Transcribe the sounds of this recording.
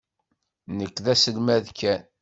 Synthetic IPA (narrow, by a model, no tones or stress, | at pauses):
nəkʷːðæsəlmæðkːæn